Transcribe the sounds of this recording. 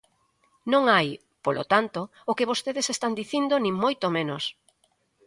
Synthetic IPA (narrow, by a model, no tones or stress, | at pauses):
nõŋaj | polʔo̰t̪ant̪o | ʊkeβost̪eðesest̪and̪iθind̪onĩŋmojt̪omẽnos